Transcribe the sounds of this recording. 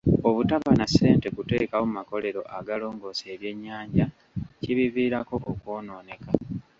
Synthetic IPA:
oβutaβanase̞ːnte̞kute̞ːkawomumako̞le̞ɾo̞̰ʔaɡalo̞ːŋɡo̞ːseːɾje̞ɲːaːɲɟa | ciβiviːɾako̞ʔokwo̞ːno̞ːne̞ka

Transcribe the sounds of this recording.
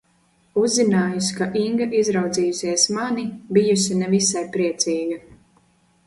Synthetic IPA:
uzːinaːjuskaʔiŋɡaʔizɾawd̪ziːjusiɛsmanibijusinɛvisajpɾiɛt̪sʲiːɡa

